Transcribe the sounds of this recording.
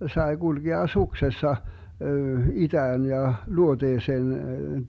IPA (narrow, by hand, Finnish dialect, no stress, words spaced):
sɑe ɡulɡeɑ suksesːɑ itæːn jɑ luoteːseːn